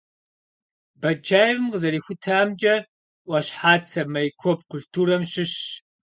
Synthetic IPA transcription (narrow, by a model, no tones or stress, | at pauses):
bɐd͡ʒaːjvɨmqəzɐɾiːxʷʊtʰaːmd͡ʒɐ | ʔʷɐɕħaːt͡sʰɐmɐjkʷʰɔp̚kʰʷʊɬtʰuːɾɐmɕɪɕ